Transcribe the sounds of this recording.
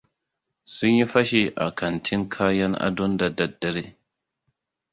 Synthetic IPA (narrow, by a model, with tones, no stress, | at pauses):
sʊ˦ɲji˦ɸɐ˦ʃe˨ʔa̰˨kʰɐ˨ntʰɪ˦ŋkʰaː˦jɐ˦ŋʔa̰˦dɔ˦ndɐ˨dɐ˨dːɐ˦ɾe˦